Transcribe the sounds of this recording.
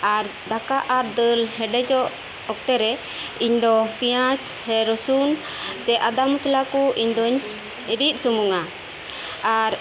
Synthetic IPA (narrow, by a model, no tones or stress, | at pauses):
aɾd̪akaʔaɾd̪əlhɛɖɛd͡ʒɔʔ | ɔk̚t̪ɛɾɛ | iɲd̪ɔpijãt͡ʃhɛɾɔsun | sɛʔad̪amuslakuʔiɲd̪ɔɲ | iɾit̪̚sumuŋa | aɾ